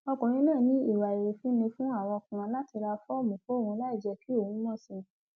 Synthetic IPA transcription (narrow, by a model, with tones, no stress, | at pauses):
ɔ˧kũ˨ɾ̃ĩ˦nãː˦˨nĩ˨˦i˦˨wa˨i˨ɾe˨fĩ˦nĩ˧fũ˦a˦˨w̃ɔ̃˧kũ˨ɾ̃ɔ̃˧˦la˦ti˧ɾa˧fɔ˦˨mũ˨ko˦˨wũ˧la˦i˦˨d͡ʒɛ˧ki˦o˦˨ũ˨˦mɔ̃˦˨sĩ˧